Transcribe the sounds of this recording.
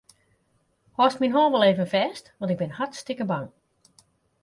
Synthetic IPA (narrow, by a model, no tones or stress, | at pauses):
hɔstminɦɔːlˠʋɔlˠeːvənfɛːstʋɔntɪɡ̚bɪnhatstɪkəbaŋ